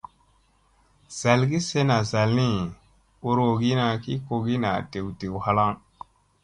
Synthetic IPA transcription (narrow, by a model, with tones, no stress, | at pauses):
z̥a˨lɡi˦se˦na˨za˨lni˦ | u˨ɾo˨ɡi˦na˨ki˦ko˨ɡi˦na̰˨de˨wde˨wha˦la˦ŋ